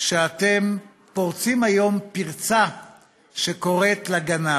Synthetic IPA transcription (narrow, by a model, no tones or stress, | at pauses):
ʃeat̪em | po̞ʁt͡simajo̞mpiʁt͡sa | ʃeko̞ʁet̪laɡana